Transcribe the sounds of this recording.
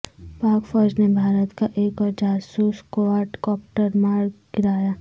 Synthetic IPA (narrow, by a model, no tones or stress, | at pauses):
paːkfɔːɾd͡ʒnebʱaːɾət̪kaʔeːkɔːɾd͡ʒaːsuːskoʋaːɾʈkɔːp̚ʈəɾmaːɾɡɪɾaːjaː